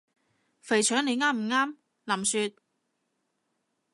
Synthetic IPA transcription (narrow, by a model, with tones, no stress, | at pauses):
fe˨˩jt͡ʃʰœː˨˥ŋne˨˧jŋaː˥m̩˨˩ŋaː˥m | la˨˩msyː˧t̪̚